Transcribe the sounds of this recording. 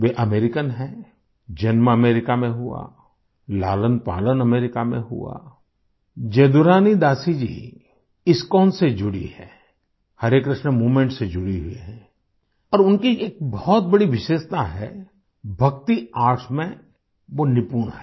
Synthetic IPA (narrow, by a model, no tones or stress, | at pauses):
ʋeʔɐmeːɾɪkənɦɛ | d͡ʒɐnməɐmeːɾɪkamẽɦʊa̰ | laːlənpa̰ːlənɐmeːɾɪkamḛ̃ɦʊ̰a̰ | d͡ʒeːd̪ʊɾaːnid̪aːsid͡ʒḭː | ɪskɔːnsed͡ʒʊɽḭhɛː | hɐɾekɾɪʃnəmuːmẽɳʈsed͡ʒʊɽiɦuiɦɛː | ɔːɾʊnkieːk̚bɔɦɔt̪̚bɐɽiʋɪʃeːʃt̪aɦɛ̰ | bʱɐk̚t̪iaːʈʰmẽ | ʋonɪpuːɽɦɛ